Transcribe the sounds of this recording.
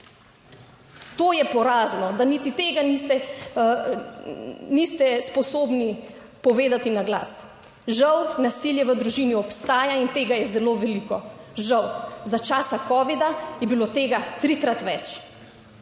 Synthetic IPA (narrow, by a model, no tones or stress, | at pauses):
t̪oːjɛpɔɾaːznɔd̪anit̪it̪eːɡanist̪ɛ | nist̪ɛspɔsoːbni | pɔʋeːd̪at̪inaɡla̰ːs | ʒawnasiljɛʋəd̪ɾuʒiniɔpst̪aːjaint̪eːɡajɛzɛloːʋɛlikɔʒawzat͡ʃaːsakɔːʋid̪ajɛbilot̪eːɡat̪ɾikɾat̪ʋɛt͡ʃ